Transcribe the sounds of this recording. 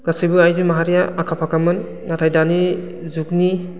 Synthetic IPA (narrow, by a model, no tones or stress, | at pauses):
ɡ̥asijbɯajzɯmaɦaɾijaakʰapʰakamɯnː | atʰajdani | zuk̚ni